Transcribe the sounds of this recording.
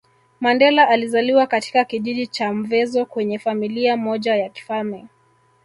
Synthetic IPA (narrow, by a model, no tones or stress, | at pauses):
mandɛlaʔalizaliwakati̥kakiʄiʄit͡ʃam̩vɛzɔkwɛɲɛfamiliamɔʄajaki̥falmɛ